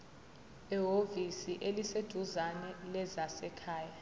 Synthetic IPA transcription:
ɛɦovisiʔelised̥ʱuzanɛlɛzasɛkʰaːja

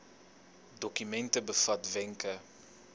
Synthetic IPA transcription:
dɔkymɛntəbəfɐtvɛŋkə

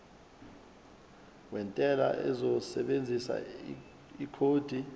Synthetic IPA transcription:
wɛntʼɛla̰ʔɛ̰zɔsɛɓend͡zʱisa̰ | ikʰoːd̥ʱi

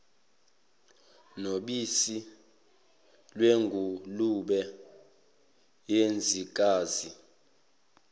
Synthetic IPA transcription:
noɓisi | lweŋɡʱuluɓɛ | jend͡zʱik̬ʼaːzi

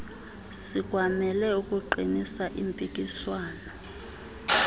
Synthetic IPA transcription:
sik̬ʼwamɛlɛukʼuǃinisaʔimpʼikʼiswaːnɔ

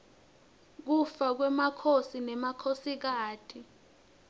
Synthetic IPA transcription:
k̬ufak̬wɛmakʰosinɛmakʰosik̬aːtʰi

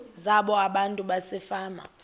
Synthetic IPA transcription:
zaɓɔaɓantʼuɓasɛfaːma̰

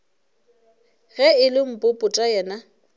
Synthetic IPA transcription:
ɣɛɪlɪm̩pʼʊpʼʊtʼajɛːna

